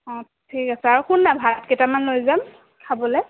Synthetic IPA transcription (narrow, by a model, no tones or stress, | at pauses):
ɔ̃ | tʰikasɛaɹuxunːabʱaɹɔtketamanlojzam | kʰabɔlɛ